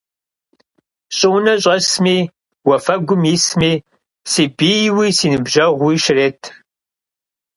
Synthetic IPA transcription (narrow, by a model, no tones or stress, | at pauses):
ɕʼɪwʊnɐɕ̬ʼɐsmiː | wɐfɐɡʷʊmjismiː | siːbijwiːsiːnɨbʒɐʁʷiːʃɪreːtʰ